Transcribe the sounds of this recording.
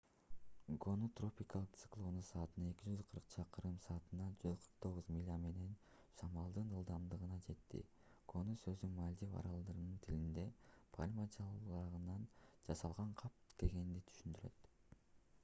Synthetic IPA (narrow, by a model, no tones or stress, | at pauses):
ɡo̞nut̪ro̞pʲikɑlˠɯqt̪sɨ̥klˠo̞nusɑːt̪ɯnɑe̞kʲid͡ʒyzqʰɯɾqt͡ʃʰɑqɯɾɯmsɑːt̪ɯnɑd͡ʒyzqʰɯɾq̚t̪ʰo̞ʁuzmilʲame̞ne̞n | sɑmɑlˠd̪ɯnɯlˠd̪ɑmd̪ɯʁɯnɑd͡ʒe̞t̪ːḭ | ɡ̥o̞nusø̞zymalʲd̪ivɑ̰ɾɑlˠd̪ɯɾnɯnt̪ʰilind̪e̞pʰa̰lʲmad͡ʒɑlˠɑʁɯnɑnd͡ʒɑsɑlˠʁɑɴqʰɑp̚ke̞ɡe̞nd̪it̪ʰy̥ʃynd̪yɾø̞̰t̪